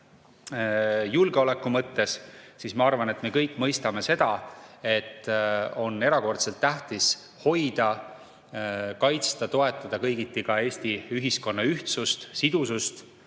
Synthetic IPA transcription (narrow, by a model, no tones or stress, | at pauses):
julɡ̥eo̞le̞kːˑumɤt̪ːe̞ssismɑɑrvɑne̞t̪me̞kɤjkːˑmɤjst̪ɑme̞se̞d̪̥ɑe̞t̪ːo̞nːe̞ɾɑko̞rt̪se̞lt̪ːæht̪is | ho̞jd̪̥ɑ | kɑjt̪st̪ɑt̪o̞e̞t̪ːˑɑd̪̥ɑkɤjɡ̥it̪ːˑikɑe̞ːsʲt̪iyɦisko̞nːɑyht̪sust̪sid̪̥usust̪